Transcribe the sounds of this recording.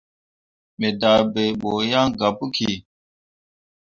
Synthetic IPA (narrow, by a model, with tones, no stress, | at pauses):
me˨da˨be˨ɓo˨ja˦ŋɡa˨pu˦kʰi˨